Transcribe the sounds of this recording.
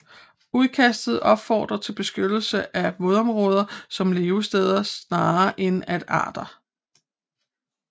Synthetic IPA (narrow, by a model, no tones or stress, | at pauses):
uðˠkʰæsd̥ð̞̩ˠɒ̽b̥fɒ̰ːd̥ʁɐt͡sʰe̝lb̥e̝sɡ̥ød̥l̩səʔæʋoðˠɒ̽mʁɔ̽ːð̞ˠɐsɒ̽mle̝ːʊsd̥eːð̞ˠɐsnɑ̈ːʔenæd̥ɑ̰̈ːd̥ɐ